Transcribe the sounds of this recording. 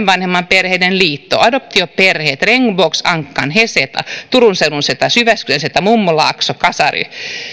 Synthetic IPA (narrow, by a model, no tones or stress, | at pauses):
ʋʋɑnhemːɑmperheinenliːt̪ːo̰ʔɑdop̚t̪ioperheːt̪reŋːʋoːksɑŋkːɑnheset̪ɑ̰t̪uɾunseununset̪ɑsyʋæskyenset̪ɑmumːulɑ̰ːksokɑsɑ̰ry̰